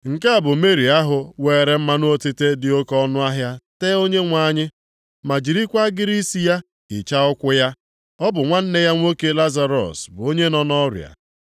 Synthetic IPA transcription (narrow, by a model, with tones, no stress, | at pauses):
ŋ̩˨ka˦a˨bʊ˨me˦ɾi˨a˦ɦʊ˨weː˨ɾe˦m̩˦ma˦nʊ˦o˦tɪ˦te˦dɪ˨o˦kɔ˦nʊ˦a˦ɦja˦teː˦o˦ɲe˦ŋʷa˦ɲɪ˦ | ma˨d͡ʒi˨ɾi˦kʷa˦ɡɪ˦ɾi˦si˦ja˦ | kɪ˨t͡ʃa˦ʊ˦kʷʊ˦ja˦ | ɔ˦bʊ˨ŋʷa˦n̩˦ne˦ja˦ŋʷo˦ke˦la˦za˦ɾɔ̰˨sbʊ˨o˦ɲe˦nɔ˦nɔ˦ɾja̰˨